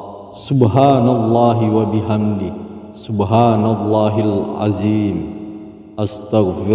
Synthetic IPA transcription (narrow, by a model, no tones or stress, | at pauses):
sʊbɦaːnalˤːɑːɦiwabɪɦamd̪ɪ | sʊbɦaːnalˤːɑːɦalʕa̰ziːm | ʔast̪aɣfɪ